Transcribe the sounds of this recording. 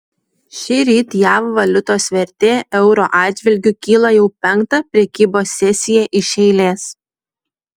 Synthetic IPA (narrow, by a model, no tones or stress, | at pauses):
ʃʲɪɾʲiːt̪jæːʋʋɐlʲʊt̪oːsʋʲɛɾʲt̪ʲeːʔɛʊɾo̰ːʔɑːd̪ʲd͡ʒʲʋʲɪlʲɡʲʊkʲiːlˠɐjɛʊpʲɛŋˑkt̪ɑpʲɾʲɛkʲiːboːsʲːɛsʲɪjɛʔɪʃʲɛɪlʲeːs